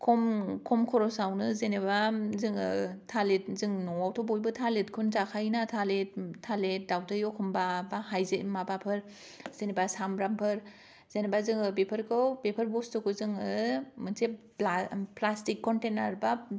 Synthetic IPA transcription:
kʰɔmkʰɔmkʰɔɾɔsawnɯzenebazɯŋɯtʰalet̚zɯŋnɔawtʰɔbojbɯtʰaletkʰunzakʰajnatʰalet̚tʰːalet̚dawtɯjɔkʰɔmbabahajzemabapʰɯɾ | z̥enebasamɾampʰɯɾ | zenebazɯŋɯbepʰɯɾkʰɯwbepʰɯɾbɔstɯkʰɯzɯŋɯmɯnse | plastikʰːɔntenaɾba

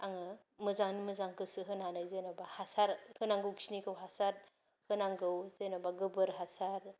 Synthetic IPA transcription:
aŋɯ | mɯzaŋnimɯzaŋkɯsɯɦɯnanajzenabahasaɾhɯnaŋɡɯwksinikʰɯwɦasaɾ | hɯnaŋɡɯwzejnabaɡɯbɯɾɦasaɾ

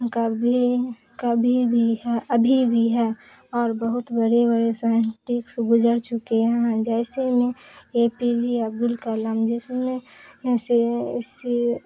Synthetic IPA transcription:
kəbi | kəbʱibʱiɦɛʔəbʱibʱiɦɛ | ɔːɾbəɦʊt̪bəɾebəɾesaɳʈɪksɡʊd͡ʒəɾt͡ʃʊkeɦɛɛ̃d͡ʒɛɪsemẽeːpid͡ʒiəb̚d̪ʊlkaləmd͡ʒɪsmẽses

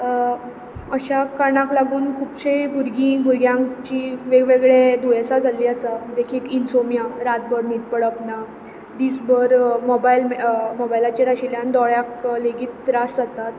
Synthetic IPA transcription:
əɕakaɾɳãklaɡuːnkʰuːpɕejbʱuɾɡĩbʱuɾɡjãt͡ɕiʋeɡʋeɡɭed̪ujasad͡zʱaliːəsad̪ekʰiːlinsomjaɾat̪̚bəɾnit̪̚pəɽəpna | d̪iːsbəɾmɔbajlmmɔbailat͡ɕeɾaɕiljãnd̪ɔɭjakleɡiːt̪̚ɾasd͡zat̪at̪

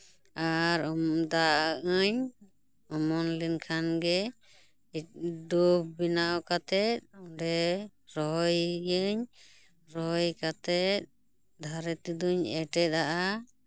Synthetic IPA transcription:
aɾɔd̪aʔəɲ | ɔmɔnlinkʰanɡɛ | iduk̚binaɔkat̪ɛt̪̚ɔɖɛɾɔɦɔjəɲ | ɾɔjkat̪ɛt̪̚ | d̪ʱaɾɛt̪id̪uɲɛʈɛt̪̚aʔa

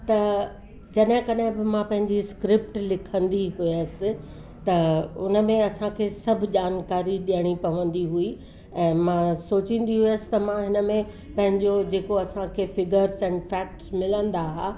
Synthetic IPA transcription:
t̪ɐ | d͡ʑɐɗɦɪ̃kɐɗɦɪ̃bɪmãpɐ̃ɦɪ̃ɲd͡ʑiskɾɪpʈlɪkʰə̃nd̪iɦuəsɪ̆ | t̪ɐʊnə̆mẽɐsãkʰeːsɐbʱʄaːnkaːɾiɗijəɽ̃ipɐʋə̃nd̪iɦui | ɛ̃ːmãsoːt͡ɕĩːn̆d̪iɦuəsɪ̥t̪ɐmãɦɪnəmẽ | pɐ̃ɦɪ̃ɲd͡ʑod͡ʑeːkoɐsãkʰeːfɪɡəɾzɛ̃ːnfɛːk̚ʈsmɪlə̃nd̪aɦaː

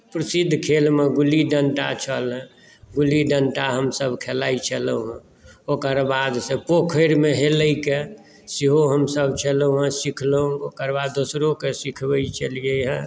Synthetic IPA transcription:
pɾəsid̪ʱkʰelmeɡuliɖəɳʈa̰t͡ʃʰəlɦ | ɡuliɖəɳʈaɦəmsəbʱkʰelait͡ʃələɦɛ̃ | okəɾbad̪sẽpokʰəɾmeɦeləike | siɦoɦəmsəbʱt͡ʃələɦɛ̃sikʰlookəɾbad̪ːosɾokesikʰbəit͡ʃəlijeɦɛ̃

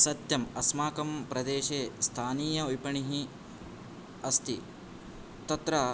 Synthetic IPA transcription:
sɐt̪jɐmɐsmaːkɐmpɾɐd̪eːʃeːst̪ʰaːniːjɐujpɐɳiɦi | ɐst̪i | t̪ɐt̪ɾɐ

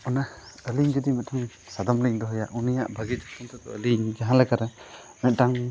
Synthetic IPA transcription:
ɔnaəliŋd͡ʒɔd̪imɛtaŋ | sad̪ɔmliŋd̪ɔɦɔja̰ʔunija̰ʔbʱaɡid͡ʒɔk̚t̪ʰɔmt̪ʰɔt̪ɔəliŋd͡ʒaɦalakaɾa | mɛdaŋ

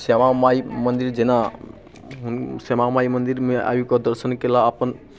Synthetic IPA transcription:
semamaimənd̪iɾd͡ʒena | ɦnsemamaimənd̪iɾmea̰ːjukɔd̪əɾsənkelaəpən

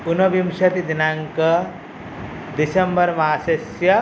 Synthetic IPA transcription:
unɐbimʃɐt̪id̪inaŋkɐ | d̪isɐmbɐɾmaːsɐsjɐ

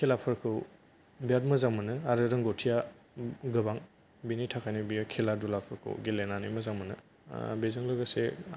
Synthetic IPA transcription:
kʰelapʰɯɾkʰɯw | bijat̚mɯzaŋmɯnɯaɾɯɾɯŋɡotʰija | ɡɯbaŋ | binitʰakʰajnɯbijkʰeladulapʰɯɾkʰɯ̰wɡelenanimɯzaŋmɯnɯ̰ | bezɯŋlɯɡase

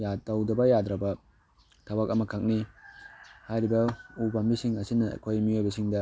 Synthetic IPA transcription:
jatɐwdɐbɐjadɾɐbɐ | tʰabakɐmɐkʰak̚ni | hajɾibɐubambisiŋɐsinɐ̰kʰojmiojbɐsiŋdɐ

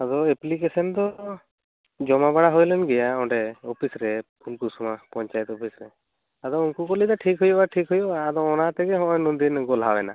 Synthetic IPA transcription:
ad̪ɔeplikesɔnd̪ɔ | d͡ʒɔmabaɽaɦojlɛnɡɛjaɔɖɛɔpʰisɾɛpunkusumapɔɲt͡ʃajɛt̪ɔpʰisɾɛ | ad̪ɔunkukɔlid̪aʈʰikɦujɔbaʈʰikɦujɔbaːd̪ɔɔnat̪ɛɡɛɦɔ̃ɔjnund̪inɡɔlɦabɛna̰

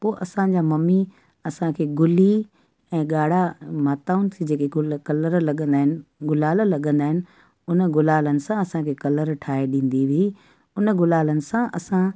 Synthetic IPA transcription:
poːʔɐsãd͡ʑaːmɐmi | ɐsãkʰeːɡʊli | ɛ̃ːɠaːɽ̤amaːt̪aːʊnɪ̆sʰid͡ʑeːkekɐləɾlɐɠə̃nd̪aːɦɪnɪ̆ɡʊlaːllɐɠə̃nd̪aːɦɪnɪ̆ | ʊnəɡʊlaːlənɪ̆sãɐsãkʰekɐləɾʈʰaːeɗĩːn̆d̪iʋii | ʊnɡʊlaːlənɪ̆sãʔɐsã

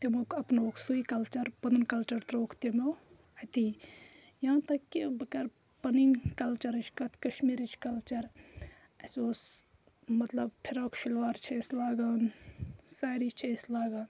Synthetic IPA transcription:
t̪emokɐpnoːksuikɐlt͡ʃɐɾpɐnunkɐlt͡ʃɐɾt̪ɾoːkt̪emow | hɐt̪i | jãːt̪ɐkːibɐkɐɾ | pɐniŋkɐlt͡ʃɐɾɐt͡ʃʰkɐt̪ʰkɐʃmiɾɐt͡ʃʰkɐlt͡ʃɐɾ | ɐsoːs | mɐt̪lɐbpʰiɾaːkʃilʋaːɾt͡ʃʰeslaːɡɐːnsaːɾit͡ʃʰeslaːɡaːn

